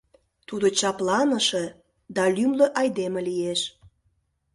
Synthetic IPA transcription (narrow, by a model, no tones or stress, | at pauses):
t̪ud̪ot͡ɕɑplɑnəʃĕ | d̪ɑlymləʔɑjd̪emĕlijeʃ